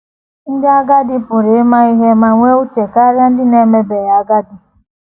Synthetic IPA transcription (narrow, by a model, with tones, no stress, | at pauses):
n̩˦dɪ˦a˦ɡa˦dɪ˦pʊ˨ɾe˨e˦ma˦i˦ɦe˦ma˨ŋʷe˦u˦t͡ʃe˨ka˦ɾja˦n̩˦dɪ˦ne˨me˦be˨ja˨a˦ɡa˦dɪ˨